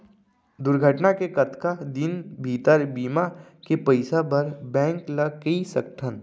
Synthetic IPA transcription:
d̪ʊɾɡʱəʈnakekɐt̪kad̪ɪnbʱiːt̪əɾbiːmakepɐɪsabɐɾbɛ̃ːŋklɐɡkəisɐkʈʰən

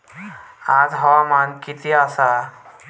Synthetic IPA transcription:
ad͡zɦɔwamankit̪ʰiasa

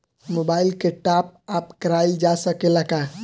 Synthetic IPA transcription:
mobaɪlkeʈap̚apkəɾajld͡ʒasəkelaka

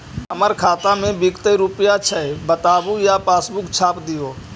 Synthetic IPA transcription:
əməɾkʰaːt̪amẽbɪkt̪əjɾʊpjat͡ʃʰəebət̪aːbujapaːsbʊkt͡ʃʰaːpd̪ɪjoː

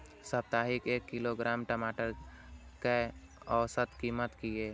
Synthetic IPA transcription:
səb̚t̪aːɦikeːkːɪloɡɾaːmʈəmaːʈəɾ | ke | ɔːsət̪kiːmət̪kieː

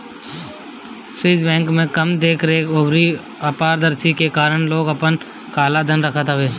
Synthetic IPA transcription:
swiːsbɛ̃ːŋkmẽkɐmd̪eːkʰɾeʊbɾi | aːpaːɾd̪əɾsikekaːɾəɽ̃loːɡəpən | kaːlad̪ʱənɾəkʰət̪ɦəʋeː

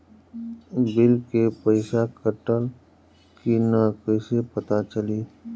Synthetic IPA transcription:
bɪlkepəɪʃakəʈəl | kinakəsepət̪at͡ʃəliː

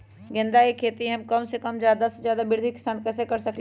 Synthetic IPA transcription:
ɡɪ̃nd̪aekʰeːt̪iɦɐmkɐmsekɐmd͡ʒjaːd̪ased͡ʒjaːd̪abɪɾd̪ʱikɪ̥saːnkɛːsekɐɾsɐkl

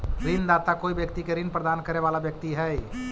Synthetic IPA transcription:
ɾɪnd̪aːt̪akoːiʋjəkt̪ikeɾɪnpɾəd̪aːnkəɾeʋaːlaʋjək̚t̪iɦɛ

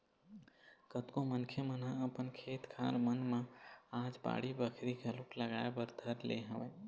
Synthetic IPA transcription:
kət̪komənkʰjemənɦãəpənkʰet̪kʰa̰lmənmə̃ad͡ʒba̰ɽibəkʰɾikəlukləɡaebəɾd̪ʱəɾlḛɦəʋə

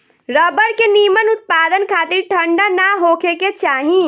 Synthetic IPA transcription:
ɾəbəɾkenimənʊt̪̚paːd̪ənkʰaːt̪iɾʈʰəɳɖanaɦokʰeket͡ʃaːɦĩ

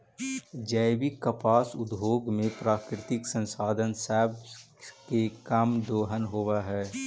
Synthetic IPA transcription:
d͡ʒəɪbikːəpaːsʊd̪boːɡmẽpɾaːkɾɪt̪ɪksə̃nsaːd̪ʱənsɛːb | kekamd̪oːɦənɦoːwaɦɛː

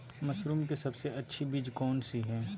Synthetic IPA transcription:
mɐsɾuːmkesɐbseɐtːʃʰibiːd͡ʒkɔːnsiɦɛ̃ː

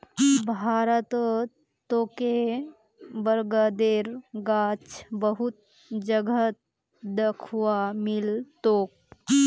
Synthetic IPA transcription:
bʱaːɾət̪ | t̪oːke | bəɾɡəd̪eːɾɡaːt͡ʃbəɦut̪̚ | d͡ʒəɡə | d̪əkʰuwamɪlt̪oːk̚

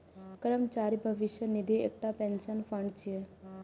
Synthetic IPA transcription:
kɾəmt͡ʃaɾibʱəʋiʃənid̪ʱiḛk̚ʈapẽnʃənfəɳɖt͡ʃʰie

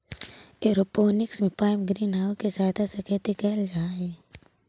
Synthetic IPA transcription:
eɾopoːnɪksmẽpaːɪmɡɾiːnɦaːʊked͡ʒaːd̪asɐket̪ekɛːld͡ʒaːeː

